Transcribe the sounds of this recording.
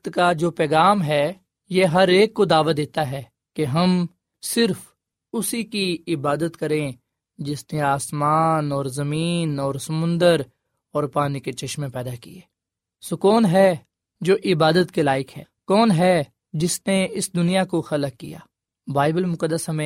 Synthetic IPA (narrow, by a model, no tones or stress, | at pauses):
t̪kad͡ʒoːpɛːɣaːmɦɛ | jeɦɐɾeːkːod̪aːʋad̪eːt̪aɦɛː | keɦɐm | sɪɾf | ʊsikiɪbaːd̪ət̪kɐɾẽ | d͡ʒɪsneaːsmaːnɔːɾzɐmiːnɔːɾsɐmʊ̃nd̪əɾ | ɔːɾpaːniket͡ʃɐʃmẽpɛːd̪akḭeː | sokɔːnɦɛ | d͡ʒoːʔɪbaːd̪ət̪kelaːɪkɦɛ̰ːkɔːnɦɛ | d͡ʒɪsneɪsd̪ʊnijakoxɐləkːḭja̰ː | baːɪbəlmʊkəd̪ːəsɦɐmẽ